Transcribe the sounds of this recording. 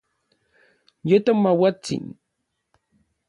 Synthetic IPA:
jat̪amːawat͡sɪ̰ŋ

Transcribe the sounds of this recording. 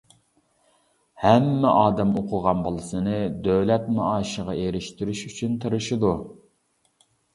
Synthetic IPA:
hɛmːɛʔɑːd̪ɛmoqʰʊʁɑnbolˠɨsɨnɨd̪øwlɛt̪̚mɑɑːʃəʁɑʔeɾɪʃt̪yɾyʃyt͡ʃʰynt̪ʰɨɾɨʃɪd̪u

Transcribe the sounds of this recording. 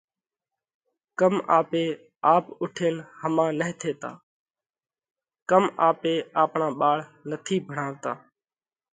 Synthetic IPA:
kəmaːpeː | aːpʊʈʰeːnhəmãːnəɦɪ̃t̪ʰeːt̪a̰ː | kəmaːpeːaːpɳãːɓaːɭnət̪ʰiːbʱəɳaːʋt̪aː

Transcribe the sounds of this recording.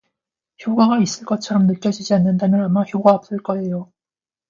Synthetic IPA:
çjoɡaɡais͈ɯɭk͈ʌt͡ɕʰʌɾʌmnɯk͈jʌd͡ʑid͡ʑianːɯndamjʌnamaçjoɡaʌp̚s͈ɯɭk͈ʌejo

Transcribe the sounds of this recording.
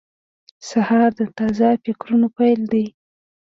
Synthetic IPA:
sahɑɾd̪ət̪ɑzafɪkɾunopajld̪aj

